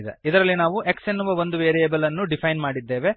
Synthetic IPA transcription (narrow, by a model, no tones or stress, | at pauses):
d̪ḛid̪ɐɾɐlːinaːʋuʔeksenːuʋɐʋo̞nd̪uʋeːɾieːbɐlɐnːuɖipʰɐjnmaːɽid̪ːe̞ːʋe̞